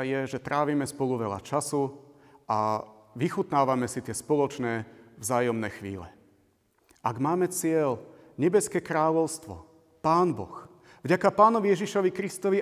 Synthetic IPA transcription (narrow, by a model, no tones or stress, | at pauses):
jɛʒɛt̪ɾaːʋiːmɛspɔluʋɛla̰t͡ʃasu | aʋixut̪naːʋamɛsit̪ɪɛspɔlɔt͡ʃnɛːvzaːjɔmnɛxʋḭːlɛ̰ | ʔaɡmaːmɛt͡sɪɛl | ɲɛbɛskɛkɾaːʎɔʊst̪ʋɔ̰ | paːnbɔ̰x | vɟakapaːnɔʋijɛʒiʃɔʋikɾist̪ɔʋi